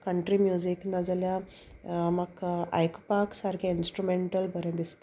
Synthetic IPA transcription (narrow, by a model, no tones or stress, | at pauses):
kəɳʈɾiːmjud͡ʑiknəd͡zlja | maka̰jkpaksaɾkʰjainsʈɾumeɳʈəlbʱəɾjãd̪ist̪